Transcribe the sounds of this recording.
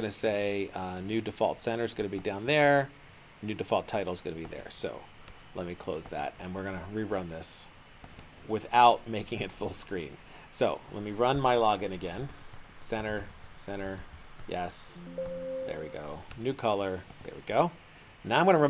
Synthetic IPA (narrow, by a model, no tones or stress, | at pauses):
ʌnɨseɪʌnʉdɨfɔ̰lˠtsɛ̃ɾ̃ə˞zɡʌnɨbidãʊ̃nðə˞ | nʉdɨfɔlˠtʰaɪɾl̩ˠzɡʌnɨbiðə̰˞soʊ | lʔɛt̚mikʰl̥oʊzðæ̰t̚ɨ̃nwɨɹɡʌnɨɹiɹʌ̃nðɪs | wɪðaʊt̚meɪkɪ̃ŋɨtfʊlˠskɹḭ̃n | soʊlɛ̰t̚miɹʌ̃nmaɪlɑɡɨ̃nɨɡɛ̃nsɛ̃ɾ̃ə˞sɛ̃ɾ̃ə˞jɛs | ðə̰˞wiɡo̰ʊnʉkʰʌlˠə˞ðə̰˞wḭɡoʊ | naʊãɪ̃mɡʌ̃nəɹʌ̃